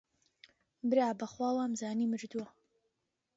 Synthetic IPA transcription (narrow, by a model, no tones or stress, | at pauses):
bɨɾaːbɐχwaːwamzaːniːmɨɾd̪uɐ